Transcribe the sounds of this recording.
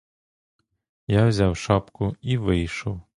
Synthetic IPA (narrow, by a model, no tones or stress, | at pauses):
jawzʲawʃɑpkʊiʋɪjʃɔw